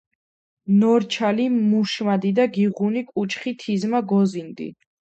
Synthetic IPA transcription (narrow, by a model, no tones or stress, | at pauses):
nɔɾt͡ʃʰalimuʃmad̪id̪aɡiʁunikʼut͡ʃʰʼχit̪ʰizmaɡɔzind̪ḭ